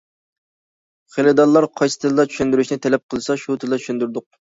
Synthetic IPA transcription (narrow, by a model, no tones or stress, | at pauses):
χelɨd̪ɑllːˠɑɾqʰɑjsɨ̥t̪ʰɨld̪ˠɑt͡ʃʰy̥ʃynd̪yɾyʃnɪt̪ʰɛlɛp̚qʰəlˠɨsɑʃut̪ʰɨlˠlˠɑt͡ʃʰy̥ʃynd̪yɾd̪ʊq̚